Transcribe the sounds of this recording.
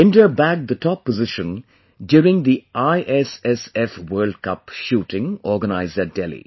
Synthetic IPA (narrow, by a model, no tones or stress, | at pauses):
ɪ̃nʈə˞bæk̚d̪ətʰɔpːəzɪʃə̃n | djɔːɾɪ̃ŋd̪iʔaɪʔɛsɛsɛfwɜːld̚kʌpʃuːʈɪ̃ŋɔːɡənaɪzdæt̚d̥ɛlḭ